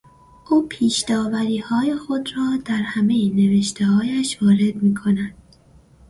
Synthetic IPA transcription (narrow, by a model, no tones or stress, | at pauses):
ʔuːpʰiːʃd̪ɒːvæɾiːhɒːje̞xo̞d̪ɾɒːd̪̥æɾhæme̞jene̞ve̞ʃt̪ʰe̞hɒːjæʃvɒːɾe̞d̪miːkʰo̞næd̪̥